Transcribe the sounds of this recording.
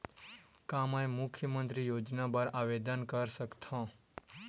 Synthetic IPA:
kamãẽmʊkʰjəmənt̪ɾijod͡ʒnabəɾaʋed̪ənkəɾsəkt̪ʰɔ̃

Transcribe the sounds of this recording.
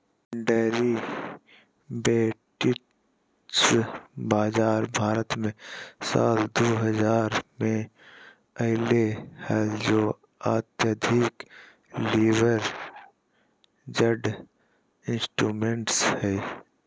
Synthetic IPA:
ɖɛːɾi | beːʈɪ | sbaːzaːɾbʱaːɾət̪mẽsa̰ːld̪oːɦəzaːɾmẽ | əɦlehɛːd͡ʒoː | aːt̪jəd̪ʱik | liːʋəɾ | d͡ʒəɖ | ɪ̃nsʈɾuːmẽɳʈshɛː

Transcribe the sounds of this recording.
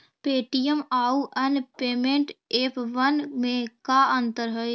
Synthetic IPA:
peːʈijəmaːuʔɐnpeːmẽːɳʈeːpʰʋənmẽkaə̃nt̪əɾɦəe

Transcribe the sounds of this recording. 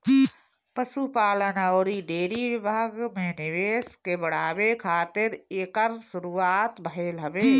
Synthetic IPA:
pəʃupaːlənaoːɾiɖeːɾiʋɪbʱaːɡmẽnɪʋeːskebəɽ̤aːʋekʰaːt̪ɪɾeːkəɾsʊɾuːaːt̪bʱəɦeːlɦɐʋeː

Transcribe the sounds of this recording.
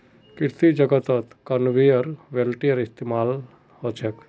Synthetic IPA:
kɪɾt̪id͡ʒəɡət̪ət̪kənʋijəɾʋelʈijəɾɪst̪emaːl | hot͡ʃʰek

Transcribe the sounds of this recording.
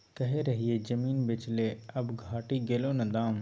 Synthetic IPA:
kɐɦeɾɐɦied͡ʒɐmiːnbɪt͡ʃleɐbɡʱaːʈiɡeːlonɐd̪aːm

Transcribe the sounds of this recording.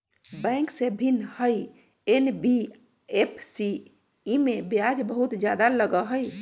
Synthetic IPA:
bɛ̃ŋksebʱinhəj | enbi | epʰsi | imebjad͡ʒbəɦut̪d͡ʒjad̪aləɡəɦəj

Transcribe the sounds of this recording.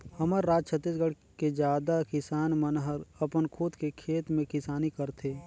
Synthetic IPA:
həməɾːaːd͡ʒ̚t͡ʃʰət̪ːiːsɡəɽ̤ | ked͡ʒaːd̪akɪsaːnmənɦəɾəpənkʰud̪kekʰeːt̪mẽkɪsaːnikəɾt̪ʰe

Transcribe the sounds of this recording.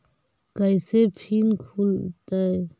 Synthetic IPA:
kəjsepʰiːnkʰuːlt̪ae

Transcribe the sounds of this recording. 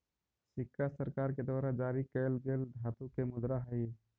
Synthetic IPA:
sɪkʰːasəɾkaɾked̪waːɾad͡ʒaɾikəjlɡeːld̪ʱat̪ukemʊd̪ɾaɦəj

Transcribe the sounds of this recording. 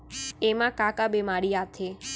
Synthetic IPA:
emãkakabemaɽiat̪ʰe

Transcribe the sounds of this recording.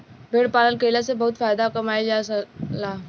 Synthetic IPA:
bʱeːɽpaːlənkəlasebɐɦʊt̪faːjd̪akɐmaːid͡ʒasɐlaː

